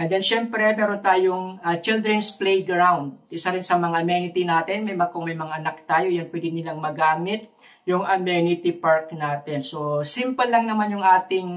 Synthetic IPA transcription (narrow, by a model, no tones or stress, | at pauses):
ʔɐnd̪ɐnʃɛmpɾɛmɛːɾont̪aːjoŋɐt͡ʃɪld̪ɾɛnsplɛjɡɾawnd̪̚ʔɪsɐɾɪnsɐmɐŋaɐmɛnɪt̪ɪnaːt̪ɛnmɐjmɐkoŋmɐjmɐŋaʔɐnak̚t̪aːjojanpwɛɡ̪ɪnɪlaŋmɐɡaːmɪt̪̚ | jʊŋʔɐmɛnɪt̪ɪpaɹk̚naːt̪ɛnsosimpɐlːɐŋnɐmanjʊŋʔaːt̪ɪŋ